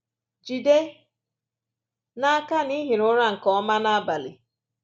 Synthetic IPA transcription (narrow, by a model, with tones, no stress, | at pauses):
d͡ʒi˨de˦ | na˦a˦ka˦ni˦ɦi˨nʊ˦ɾa˦ŋ̩˨kɔ˦ma˦na˦a˦ba˨lḭ˨